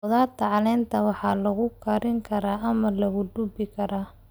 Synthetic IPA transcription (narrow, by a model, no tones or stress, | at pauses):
ɔðaːt̪ʰːɐʕɑlɛːnt̪ʰɐwɑħɑːlɐɣʊkʰɐɾɪŋkʰɐɾaːʔɐmɐlɐɣʊɖ̪ʊbɪkʰɐɾaː